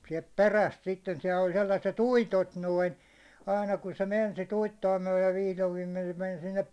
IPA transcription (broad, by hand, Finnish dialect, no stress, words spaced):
siɛlt peræst sitːen siɛlː olʲ selːɑset uitot noin̞ ɑinɑ kun se men sit uitːoɑ myæ̹len ʋihloʋ ʋiːmen se men sinːep